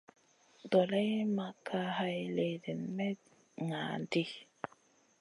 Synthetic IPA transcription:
dɔ˨la˦jma˨kʰa˦ha˦jle˨de˨nmɛ˦ | ŋa˨ndi˦

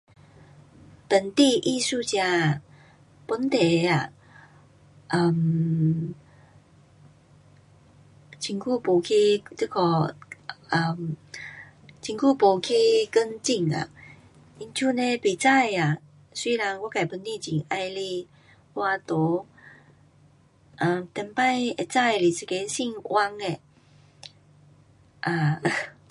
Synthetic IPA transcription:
t̪ə˨˩nt̪i˥˧ʔi˥˧su˥˧˨t͡ɕja˧ | pu˧˥nt̪e˨˩˦a˨˩ | ʔə˨˩m | t͡ɕʰi˧˩ŋkʰu˥˧po˧kʰi˦t͡sɨ˧˩kʰɔ˧˩ | ə˨˩m | t͡ɕi˧ŋku˥˧po˨˧kʰi˦˥kə˦ŋt͡ɕi˥˧˨ŋa̰˨ | i˧˦nt͡ɕʰu˦˧nẽ˧be˨˩˨t͡sa˥˧˨ja˨ | si˧la˧ŋwa˧˦ka˨˩˨pə˧˦nt̪ĩ˥˧t͡ɕi˨˩ŋʔa˧jle˧ | wa˧t̪o˨˦ | ʔa˨mt̪ɛ˨˧˩mpa˥˧˨je˨˩t͡sa˥˧jli˨si˧ke˧˦si˥˧ŋwʔa˧ŋe˨ | ʔa˨˩

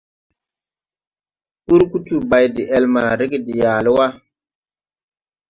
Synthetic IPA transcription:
ku˦ɾku˦tu˦ba˨jdi˨ʔɛ˦lma˨ɾi˦ɡi˦di˨jaː˨li˦wa˦

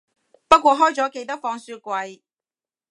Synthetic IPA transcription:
pɐ˥t̚kʷɔː˧ɦɔː˥jt͡sɔː˨˥ke˧jt̪ɐ˥k̚fɔː˧ŋsyː˧kʷɐ˧j

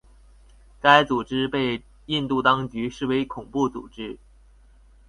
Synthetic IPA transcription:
ka˥ɪt͡su˨˩ʈ͡ʂɻ̩˥pe˥˧ɪ | i˥˧nt̪u˥˩t̪ɑ˥ŋt͡ɕy˧˥ʂɻ̩˥˩we˧˥ɪkʰʊ˨˩ŋpu˥˩t͡sṵ˨˩ʈ͡ʂɻ̩˥

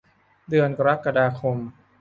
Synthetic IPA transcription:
dɯ˧ənka˧ɾa˦˥kːa˧daː˧kʰo˧m

